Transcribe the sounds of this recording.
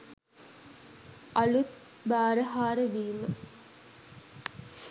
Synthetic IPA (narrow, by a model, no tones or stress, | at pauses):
ʔɐlut̪̚ | baːɾəɦaːɾəʋiːmə